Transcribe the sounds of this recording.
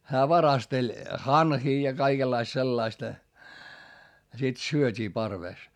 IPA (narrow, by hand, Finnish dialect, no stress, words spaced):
hæː ʋɑrɑstelʲ hɑnhiː jɑ kɑikelːɑist selːɑistɑ̆ jɑ sit syøtʲiː pɑrʋeˑs